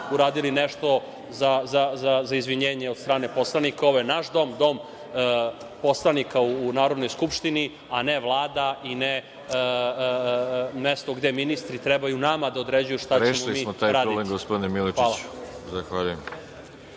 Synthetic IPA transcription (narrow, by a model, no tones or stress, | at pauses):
uɾaːd̪ilineʃt̪o̞ | zazazazaizʋiɲeːɲeost̪ɾaːne̞po̞slˠanikao̞ʋojenaʃd̪o̞md̪o̞m | po̞slˠanikauːnaːɾod̪nojskupʃt̪ini | aneʋlˠaːd̪aine | mest̪oɡd̪eminist̪ɾit̪ɾebajunamad̪ao̞d̪ɾed͡ʑujuʃt̪aɾet͡ɕːmolimisːmot̪aːjɾaːdoileɡospod̪inemilit͡ʃaːlḁ | zaxʋaʎujem